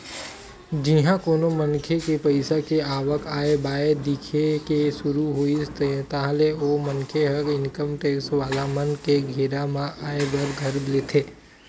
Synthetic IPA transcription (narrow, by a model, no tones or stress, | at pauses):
d͡ʒɪɦãkoːnomənkʰekepəɪsakeaːʋəkaːebaːed̪ɪkʰekeʃʊɾuɦoit̪aleomənkʰeɦəkɪnkəmʈeːksʋaːd̪amənkeɡʱeːɾamãʔaːebəɾɡʱɐɾblet̪ʰeː